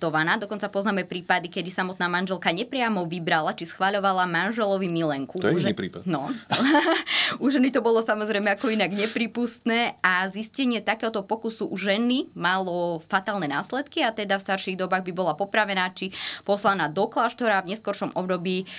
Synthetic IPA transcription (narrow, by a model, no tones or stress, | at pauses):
t̪ɔʋanaːd̪ɔkɔnt͡sapɔznaːmɛpɾiːpad̪ikɛd̪isamɔt̪naːmanʒɛlkaɲɛpɾɪamɔʋibɾalat͡ʃisxʋaʎɔʋalamanʒɛlɔʋimilɛŋkuɛɾiːp̪nɔ | uʒɛnit̪ɔbɔlɔsamɔzɾɛjmɛakɔinaɡɲɛpɾiːpust̪nɛːaziscɛɲɪɛt̪akɛːɦɔt̪ɔpɔkusuʔuʒɛnimalɔfat̪aːlˠnɛnaːslɛt̪kiat̪ɛd̪afst̪aɾʃiːɣd̪ɔbaːɣbibɔlapɔpɾaʋɛnaːt͡ʃipɔslanad̪ɔklaʃt̪ɔɾaːvɲɛskɔɾʃɔmʔɔbd̪ɔbiː